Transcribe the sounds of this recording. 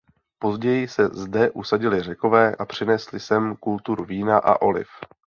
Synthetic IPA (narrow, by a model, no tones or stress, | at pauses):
po̞zɟɛjɪsɛzdɛʔusaɟɪlɪr̝ɛko̞vɛːʔapr̝̥ɪnɛslɪsɛmkult̪uɾuviːnaʔa̰ʔo̞lɪ̰f